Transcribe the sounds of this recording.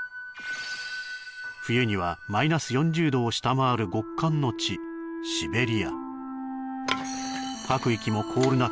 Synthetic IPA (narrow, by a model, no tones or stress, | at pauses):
ɸɯ̟jɯ̟ɲ̟iβamainasɨjõ̞ɲ̟d͡ʑɨːd̪o̞ːɕi̥t̪amaːɾɯ̟ɡo̞kːãnːo̞t͡ɕiɕibe̞ɾʲia̰ | kakɯ̟ikʲimo̞kʰo̞ːɾɯna